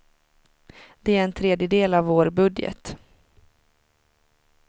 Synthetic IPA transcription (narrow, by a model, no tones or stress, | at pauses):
d̪̥ɛæɾɛnt̪ʰɾeːd̪jəd̪eːlavːoːɾbɵd̪jə̰t̪